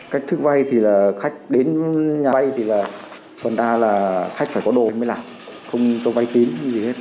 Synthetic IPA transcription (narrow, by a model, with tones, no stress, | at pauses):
kaː˦˥k̚t̪ʰɨ˦˥k̚va˧jt̪ʰi˨˩laː˨˩xa˦˥jk̟̚ɗe˨˦nɲaː˨˧jt̪ʰi˨˩laː˨˩ | fə˨˩nɗaː˧laː˨˩xa˦˥jk̟faː˧˩jkɔ˨˦ɗo˨˩˧jmə˨˦jlaː˨˩m | xə˧wŋ͡mt͡ɕɔ˨˦va˧jt̪i˨˦ŋ˨˧zi˨˩e˦˥t̚